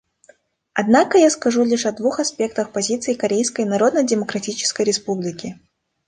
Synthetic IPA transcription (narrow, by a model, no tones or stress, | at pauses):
ɐd̪nakəjaskɐʐulʲiʂɐd̪vuxɐspʲe̞k̚t̪əxpɐzʲit̪sɨɪkɐɾʲejskəjnɐɾo̞d̪nədʲɪməkɾɐtʲit͡ɕɪ̥skəjɾʲɪspublʲɪkʲɪ